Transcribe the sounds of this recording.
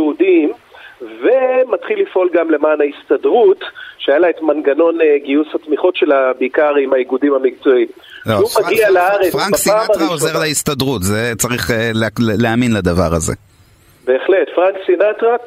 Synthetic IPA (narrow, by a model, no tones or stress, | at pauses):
udimvemat̪χilːifʔo̞lɡamle̞maːnaist̪adʁut̪ʃeajalaet̪manɡano̞neɡiushat̪miχo̞tʃe̞labekaʁimaiɡudimhamik̚t͡soim | loʃeumaɡialaaʁet͡sfʁanksaaaʁaozeʁleist̪adʁutzet͡saʁiχeleleaminlad̪ava̰ʁazḛ | be̞ːχle̞tfʁaŋksinatʁa